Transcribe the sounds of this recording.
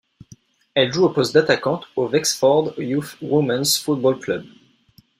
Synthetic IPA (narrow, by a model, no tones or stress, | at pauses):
ɛlʒuopɔst̚d̪at̪akɑ̃t̪ovɛksfɔʁd̪jufwomãnzfut̪̚bɔlklœb